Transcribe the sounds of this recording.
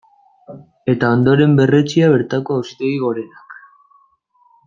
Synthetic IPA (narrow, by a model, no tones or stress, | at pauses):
e̞t̪ao̞nd̪o̞ɾe̞mbe̞re̞t͡ʃiaβ̞e̞ɾt̪ako̞awst̪e̞iɣo̞ɾe̞nak